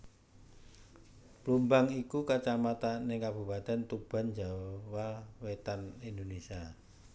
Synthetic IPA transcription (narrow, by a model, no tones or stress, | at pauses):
plumbaŋikukat͡ʃamat̪anekab̥ṳpat̪ɛnt̪ub̥a̤nd͡ʒawawet̪anind̪onesia